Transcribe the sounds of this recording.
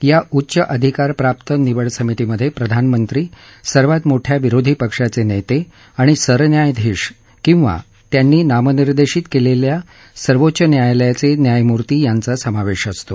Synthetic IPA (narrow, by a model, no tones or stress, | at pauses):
jaʔutːɕəʔəd̪ʱikaɾpɾap̚t̪əniʋəɭsəmit̪iməd̪ʱːjepɾəd̪ʱanmənt̪ɾiːsəɾʋat̪moʈʰjaʋiɾod̪ʱiːpəkʂat͡senejt̪e | aɽ̃isəɾnjajd̪ʱiɕ | kĩw̃ʋa̰ | t̪janːiːnaməniɾd̪eɕiːt̪kelelja | səɾʋotːɕənjajljat͡senjajmuɾt̪iːjant͡sasəmaʋeɕəst̪o